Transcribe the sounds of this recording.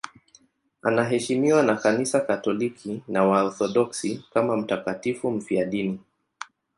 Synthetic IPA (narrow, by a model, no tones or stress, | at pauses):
anaɦɛʃimiwanakanisakatɔlikʰinawaɔθɔɗɔksikamam̩takatifum̩fiaɗini